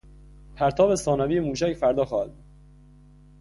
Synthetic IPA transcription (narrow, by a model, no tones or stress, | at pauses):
pʰæɾt̪ʰɒːbesɒːnæviːjemuːʃæcfæɾd̪ɒːxɒːhæd̪̚ud̪